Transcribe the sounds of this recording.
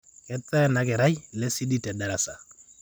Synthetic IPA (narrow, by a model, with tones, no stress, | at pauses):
kɛ˦t͡sɛ˦nakɛ˨ɾa˦jlɛ˦si˦di˦tɛ˨dɛ˨ɾa˨sa˨